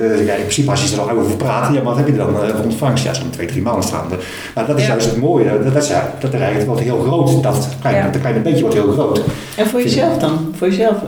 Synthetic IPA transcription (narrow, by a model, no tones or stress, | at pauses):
jaɪnprɪ̥sipəɔsjəsdərɔlˠawoːvərpraːtəjamanhɛpjədəʋɛlˠənɔntfaŋsja̰sfɔntʰʋejdrimanəstra̰ːndə | mardɔtɪsjœɥstətmoːjədɪsja̰d̥ɔtərɛəkəʋɔrtɦeːəlˠxrowtdɔtklɛjklɛjnəbejkjəʋɔɹtheːlˠxrowt | ɛnfoːjəzɛlˠfdɔnfoːjəzɛlˠf